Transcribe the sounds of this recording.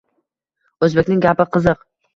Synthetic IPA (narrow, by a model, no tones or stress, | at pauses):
ɵzbekʲnɪŋɡʲapɪqʰɨzɨq